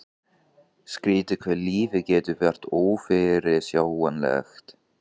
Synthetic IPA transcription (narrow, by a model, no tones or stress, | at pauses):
skɾiːt̪ɪkʰvɛliːvɪcɛːt̪ʏvɛr̥t̪oːwfɪɾɪsjawɛnlɛ̰xt̪